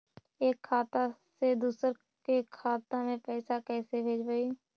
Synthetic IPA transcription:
eːkʰːaːt̪ased̪uːsəɾ | kekʰaːt̪ãmẽpɛːsakɛːsebʱeːd͡ʒbəiː

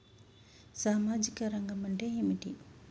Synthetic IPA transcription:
saːmaːd͡ʒikɐɾɐŋɡɐmɐɳʈeɦimiʈḭ

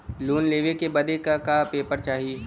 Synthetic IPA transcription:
luːnleːʋekebɐd̪ekakapeːpəɾt͡ʃaːɦi

